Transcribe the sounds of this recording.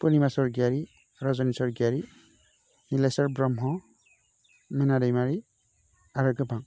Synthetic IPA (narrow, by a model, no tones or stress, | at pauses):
pɔnimasɔɹɡaɾi | ɾɔzɔnisɔɹɡaɾi | nilajsɔɹbɹɔmɦɔ | minadejmaɹi | aɾɔɡɯbʱaŋ